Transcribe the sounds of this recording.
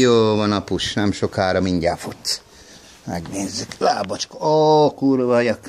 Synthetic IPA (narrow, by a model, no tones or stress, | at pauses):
joːʋɒnɒpuʃnɛmʃo̞kaːɾɒmiɲɟaːfut̪s | mɛ̰ɡneːzːykla̰ːbɔt͡ʃkɒkuɾʋɒjɒk